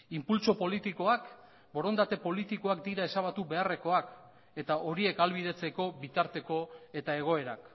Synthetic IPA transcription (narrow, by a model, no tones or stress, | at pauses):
impult͡so̞po̞lit̪iko̞ak | bo̞ɾo̞nd̪at̪e̞po̞lit̪iko̞akd̪iɾae̞saβ̞at̪uβe̞are̞ko̞ak | e̞t̪aʔo̞ɾie̞kalβið̞e̞t͡se̞ko̞βit̪aɾt̪e̞ko̞e̞t̪ae̞ɣ̞o̞e̞ɾak